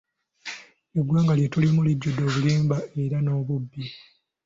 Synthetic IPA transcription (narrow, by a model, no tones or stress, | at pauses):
eɡwaːŋɡalje̞tulimulibɟodːo̞ːβuliːmbaʔe̞ɾano̞ːβubːi